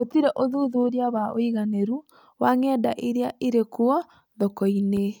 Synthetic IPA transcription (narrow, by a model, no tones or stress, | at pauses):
otiɾɛʔoðuðoɾeaβaoiɣaneɾu | waŋɛdaʔeɾeaʔeɾekoɔ | ðɔkɔine